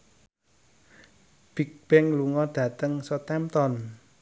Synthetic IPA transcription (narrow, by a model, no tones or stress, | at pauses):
b̥ik̚b̥ɛŋluŋɔɖ̥ä̤t̪əŋsɔt̪ɛmt̪ɔn